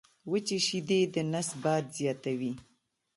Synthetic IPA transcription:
wət͡ʃeʃid̪ed̪ənasbɑd̪zjɑt̪awi

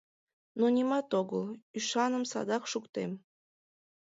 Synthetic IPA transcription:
nonʲimɑt̪oɣəlˠyʃɑnə̆msɑ̰d̪ɑkʃukt̪em

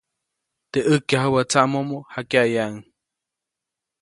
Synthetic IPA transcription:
t̪eʔɨkjaɦəwat͡saʔmomohakjajaʔŋ

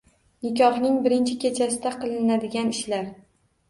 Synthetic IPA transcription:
nɪkʲɒχnɪŋbɪɾɪnt͡ʃʰɪkʲe̞t͡ʃʰasɪd̪aqʰɨlˠɪnad̪ɪɡʲanɪʃlaɾ

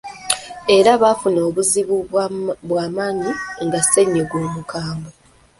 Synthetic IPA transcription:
e̞ɾaβafuno̞ːβuziβuβwaːmaːɲiŋɡase̞ɲːeɡwoːmukʰaːmbo

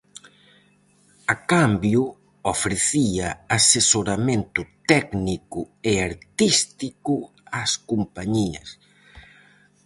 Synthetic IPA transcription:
akambjʊ | ofɾeθiɐasesoɾamẽnt̪ʊt̪ɛknikʊ | eaɾt̪ist̪ikʊ | askompaɲiɐ̰s

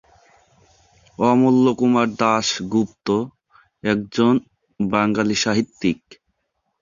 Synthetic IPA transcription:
ɔmolːokumaɾd̪aʃɡupt̪o | ɛk̚d͡ʑon | baŋɡaliʃaɦit̪ːik̚

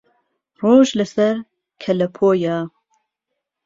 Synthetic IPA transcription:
roːʒlɨsɛɾ | kʰɛlɛpʰoːjaː

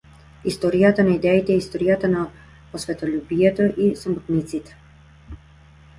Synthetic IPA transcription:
ist̪ɔɾijat̪anaid̪ɛit̪ɛɛist̪ɔɾijat̪ana | pɔsvɛt̪ɔlʲubiɛt̪ɔʔisamɔt̪nit̪sit̪ɛ̥

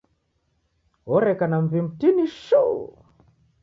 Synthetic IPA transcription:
ɔɾekanamvimbtiniʃu

